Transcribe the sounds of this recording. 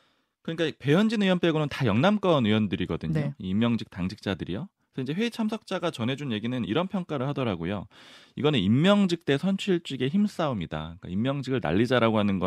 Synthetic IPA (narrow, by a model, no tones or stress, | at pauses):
kɯɲik͈ape̞jʌnd͡ʑinɯjʌnp͈eɡonɯntajʌŋnamk͈ʌnɯjʌndɯɾiɡʌdɯɲoiimːjʌŋd͡ʑik̚taŋd͡ʑʰik̚t͡ɕ͈adɯɾijo | sʰʌind͡ʑe̞ɸwe̞it͡ɕʰamsʰʌk̚t͡ɕ͈aɡat͡ɕʌnɦe̞d͡ʑunje̞ɡinɯniɾʌnpʰjʌŋk͈aɾɯɭhadʌɾaɡojo̰ | iɡʌnɯnimːjʌŋd͡ʑik̚t͈e̞sʰʌnt͡ɕʰiɭt͡ɕ͈iɡe̞çims͈aumida̰k͈a̰imːjʌŋd͡ʑiɡɯɭna̰ʎːid͡ʑaɾaɡohanɯnɡʌ